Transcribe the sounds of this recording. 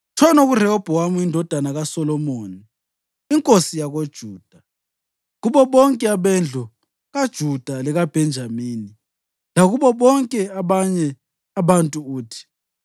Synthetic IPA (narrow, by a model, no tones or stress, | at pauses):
t͡ʃʰɔnoɣurɛɔb̥ʱɔwamuindʱɔd̥ʱanaɣasɔlɔmoːni | iŋkʼosijaɣod̥ʒ̥ʱuːd̥ʱa | ɣuβɔβɔŋkʼɛaβɛnd͡ɮʱɔ | ɣad̥ʒ̥ʱud̥ʱalɛɣab̥ʱɛnd͡ʒʱamiːni | laɣuβɔβɔŋkʼɛaβaɲɛ | aβantʼuuːtʰi̥